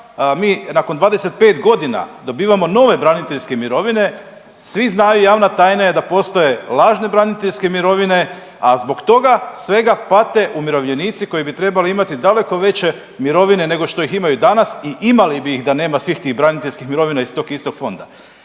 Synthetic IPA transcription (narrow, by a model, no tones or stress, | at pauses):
miːnako̞nd̪ʋaːd̪eset̪̚pe̞ːt̪ɡo̞d̪ina̰d̪o̞biːʋamo̞no̞ʋe̞bɾanit̪eʎʲske̞miɾo̞ʋine̞ | sʋiznaːjujaːʋnat̪aːjnaje̞d̪apo̞st̪o̞je̞lˠaːʒne̞bɾanit̪eʎske̞miɾo̞ʋine̞ | azbo̞kt̪o̞ɡasʋe̞ɡapat̪e̞ʔumiɾo̞ʋʎe̞niːt̪siko̞jibit̪ɾe̞baliimat̪id̪ale̞ko̞ʋe̞t͡ɕe̞ | miɾo̞ʋine̞ne̞ɡo̞ʃt̪o̞iximajud̪anasiʔimalibiːxd̪ane̞ːmasʋiːxt̪ixbɾanit̪eʎʲskixmiɾo̞ʋinaist̪o̞kist̪o̞ɡfo̞nd̪a